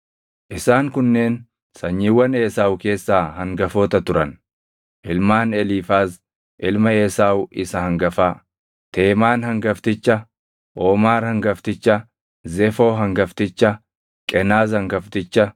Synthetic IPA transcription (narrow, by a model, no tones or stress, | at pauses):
ʔɪsaːŋkʊnːe̞ːn | sɐɲːiːwːɐne̞ːsaːwke̞ːsːaːhɐŋɡɐfoːt̪ɐt̪ʊɾɐn | ʔɪlmaːnɛliːfaːs | ʔɪlmɐeːsaːwʔɪsɐhɐŋɡɐfaː | t̪ʰe̞ːmaːnhɐŋɡɐft̪ɪt͡ʃːɐ | ʔoːmaːɾhɐŋɡɐft̪ɪt͡ʃːɐ | zɛfo̞ːɦɐŋɡɐft̪ɪt͡ʃːɐ | kʼɛnaːzhɐŋɡɐft̪ɪt͡ʃːɐ